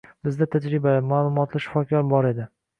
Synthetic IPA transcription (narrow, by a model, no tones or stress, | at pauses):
bɪzd̪at̪ʰad͡ʒɾɪbaamaːlˠʊmɒt̪lɪʃɪ̥fɒkʲʰɒɾbɒɾe̞d̪ɪ